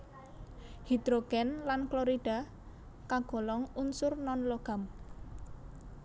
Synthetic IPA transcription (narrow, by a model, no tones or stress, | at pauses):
hid̪̥ɾoɡ̥ɛnlanklɔɾid̥a̤ | kaɡ̥ɔ̤lɔŋunsʊrnɔnloɡ̥a̤m